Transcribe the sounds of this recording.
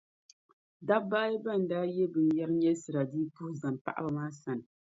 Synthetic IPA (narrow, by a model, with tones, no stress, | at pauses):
da˦ba˦ba˦˨n̩˨daː˦jɛ˦bɨ˨n˨ja˦ɾɲɛ˦sɨ˨ɾa˨diː˦pu˦hza˨mpa̰˦ʔa̰˦ba˨maː˦sa˨nɨ˨